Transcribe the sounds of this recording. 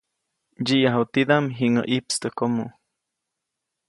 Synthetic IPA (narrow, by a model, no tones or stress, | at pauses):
d͡ʒiʔjaɦut̪id̪amɦiŋə̰ʔipst̪əkomo